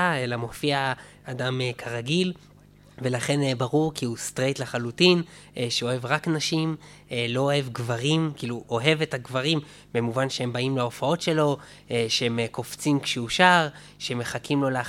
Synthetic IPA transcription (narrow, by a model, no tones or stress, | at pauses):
aelamo̞fiaː | damekʰaʁaɡil | ve̞laχe̞nbaʁuʁkiust̪ʁe̞jtlaχalutinʔʃeo̞he̞vʁaknaʃim | elo̞ohevɡvaʁimkiːluʔoɦeve̞taɡvaʁimː | emuvanʃeembaimlao̞fao̞tʃe̞lo̞ | eʃehemeko̞ft͡simkʃeuʃaʁ | ʃeemːe̞χakimlo̞lea